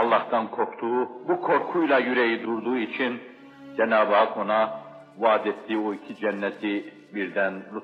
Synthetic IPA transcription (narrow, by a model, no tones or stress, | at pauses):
ɑlˠːɑht̪ɑnkʰokt̪uːbukʰo̞ɾkʰujlˠajyɾɛjid̪uɾd̪uːit͡ʃʰin | d͡ʒɛnaːbkʰo̞na | vaːd̪et̪ːiːoicʰid͡ʒɛnːɛt̪ʰi | biɾd̪ænlu